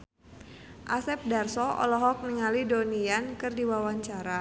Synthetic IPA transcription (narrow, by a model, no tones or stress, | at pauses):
ʔasɛp̚darsɔʔɔ̰lɔɦɔk̚niŋalidoniankɨrdiwawaɲt͡ʃaɾa